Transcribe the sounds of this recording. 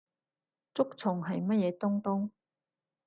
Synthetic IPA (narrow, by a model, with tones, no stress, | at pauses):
t͡sʊ˥k̚t͡sʰʊ˨˩ŋɦɐ˨jmɐ˥t̚jɛː˨˧t̪ʊ˥ŋt̪ʊ˥ŋ